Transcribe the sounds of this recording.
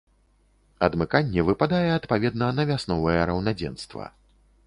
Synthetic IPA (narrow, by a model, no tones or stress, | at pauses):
ɐd̪mɨkanʲːɛvɨpad̪ajɛɐt̪pavʲɛd̪nɐnɐvʲasnɔvɨjɛɾɐwnad͡zʲɛ̰nst̪vɐ̰